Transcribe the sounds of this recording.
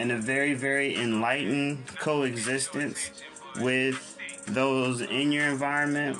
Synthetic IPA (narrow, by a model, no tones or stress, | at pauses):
ɨ̃nɨvɛɹivɛɹiʔɪ̃nlaɪʔn̩kʰoʊɨɡzɪstɨ̃ns | wɪð | oʊzɪ̃njə˞ɨ̃ɱvaɪɹɨ̃nmɨ̃n